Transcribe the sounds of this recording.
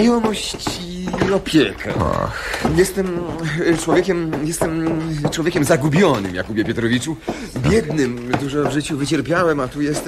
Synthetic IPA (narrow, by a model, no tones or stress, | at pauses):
jɔmɔɕt͡ɕi | ɔpʲjɛkʰɛ̰a̰ | jɛst̪ɛmt͡ʂwɔvʲjekʲɛmjɛst̪ɛmt͡ʂwɔvʲjeɛkʲɛmzaɡubʲjɔnɘ̰mja̰kubʲjɛpʲjɔt̪ɾɔvʲit͡ʂu | bʲjɛd̪nɘmd̪uʐɔvʐɘt͡ɕuvɘt͡ɕɛɾpʲjawɛmat̪ujɛst̪